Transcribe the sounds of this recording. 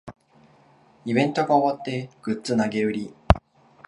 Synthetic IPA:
ibẽ̞nt̪o̞ɡaoβat̪ːe̞ɡ̥ɯ̟t͡sɨnaɡe̞ɯ̟ɾʲi

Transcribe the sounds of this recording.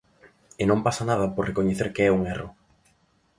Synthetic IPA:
ɪnõmpasɐnaðɐpoɾrekoɲeθeɾkeɛuŋɛrʊ

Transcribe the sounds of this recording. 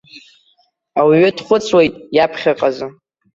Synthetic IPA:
awiɥʏdχʷʊt͡sʼwejtʼjapʰχʲaqʼazɨ

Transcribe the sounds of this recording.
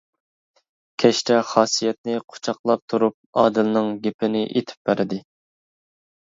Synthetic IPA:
kʲʰɛʃt̪ʰɛχɑːsijɛt̪̚nɪqʰo̥t͡ʃʰɑqlˠɑp̚t̪ʰuɾup̚ɑːd̪ɨlnɨŋɡʲepʰɪnɪʔḛt̪ʰɪ̥p̚bæɾɪd̪ɪ

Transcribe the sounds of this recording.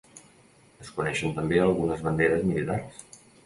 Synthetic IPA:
əskunɛʃənt̪əmbeəlˠɣunəzβənd̪eɾəzmilit̪ars

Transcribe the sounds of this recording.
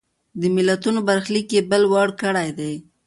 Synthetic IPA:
d̪əmɪlat̪unobaɾxlikjebəlwaɽkəɽajd̪ej

